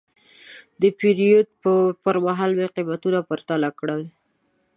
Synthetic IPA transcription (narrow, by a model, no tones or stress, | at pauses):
d̪əpiɾijod̪̚ppəɾmaɦɑlmeqimat̪unapəɾt̪alakɽəl